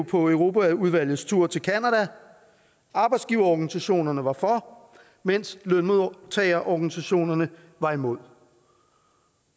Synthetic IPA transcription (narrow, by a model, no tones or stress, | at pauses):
pʰɒ̽øʊʁo̝ːpæuðˠʋæl̰jð̩ˠst͡sʰuɐ̰t͡sʰe̝lkʰænædæ | ɑ̈ːb̥ɑ̈ɪd̥sɡ̥iːʊɐɒɡ̥ænisæɕo̝̰ːnɐnəʋɑ̈fɒ | men̰slønmo̝ðˠt͡sʰɛ̰ɪɐʔɒɡ̥ænisæɕo̝̰ːnɐnə | ʋɑ̈imo̝ð̰ˠ